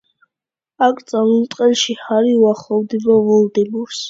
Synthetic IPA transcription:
akʰt̪sʼalunt̪ʼqʼɛlʃihaɾiuaχlˠɔvd̪ibɔvɔld̪ɛbuɾs

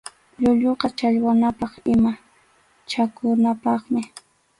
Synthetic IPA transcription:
ʎʊʎoqɑt͡ʃaʎwanapɑχɪma | t͡ʃakʊnapɑχmɪ

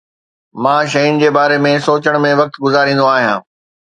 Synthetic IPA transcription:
mãːʃɐjʊnɪ̆d͡ʑeːbaːɾemẽsoːt͡ɕəɽ̃mẽʋɐk̚t̪ɡʊzaːɾĩːn̆d̪oaːɦijãː

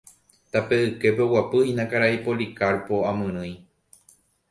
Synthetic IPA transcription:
t̪ape̞ɨke̞p̬eowapɨĩnãkaɾaipolikaɾpo̞amɨ̃ɾ̃ɨ̃j

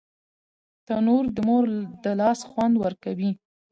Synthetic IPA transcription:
t̪anoɾd̪əmoɾd̪əlɑsxwand̪wəɾkawi

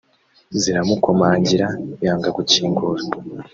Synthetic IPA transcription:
ziɾamukomaːɲɟiɾajaːŋɡaɡuciːŋɡuːɾa

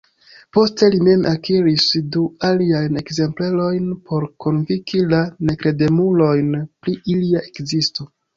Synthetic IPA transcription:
po̞ste̞line̞nʔakiɾisdualiajne̞kze̞mple̞lo̞jnpʰo̞ɾkʰo̞nvikʰilane̞kɾe̞de̞mulo̞jnpɾiʔiliaʔe̞kzisto

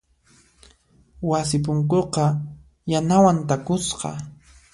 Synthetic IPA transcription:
was̬ɪp̬ʊŋkoqɑ | janawant̪akʊsqɑ̰

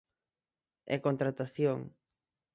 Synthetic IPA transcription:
ɛ̰kont̪ɾat̪aθjoŋ

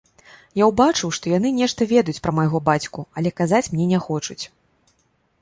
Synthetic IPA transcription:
jawbat͡ʂɨwʂt̪ɔjanɨnʲɛʂt̪ɐvʲɛd̪ɐjut͡sʲpɾɐmɐjɣɔbat͡sʲkuɐlʲɛkazat͡sʲmnʲɛnʲɛxɔt͡ʂut͡sʲ

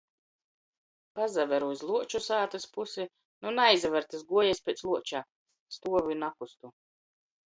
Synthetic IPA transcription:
pazavɛɾuzlˠuɔt͡ʃusaːt̪ɨspusi | nunajzvɛɾt̪ɨsɡuɔjɛspʲɛːt̪slˠuɔt͡ʃaː | st̪uɔvunakust̪u

